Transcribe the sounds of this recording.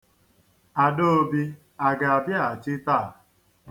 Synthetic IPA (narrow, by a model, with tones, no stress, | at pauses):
a˨do˦o˦bi˧ | a˨ɡa˨a˨bja˦˨t͡ʃi˦ta˦˨